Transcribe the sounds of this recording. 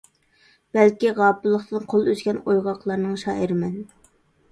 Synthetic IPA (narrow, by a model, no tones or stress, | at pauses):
b̥ælkʲiʁɑːpɨlˠːəχt̪ʰɨnqʰolˠøzɡʲɛnojʁɑqʰlˠɑɾnɨŋʃɑːʔəɾɪmɛn